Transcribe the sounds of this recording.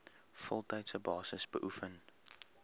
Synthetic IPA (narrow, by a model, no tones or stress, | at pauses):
fɔlˠtɐjtsəbɑːsəsbə̰ʔufən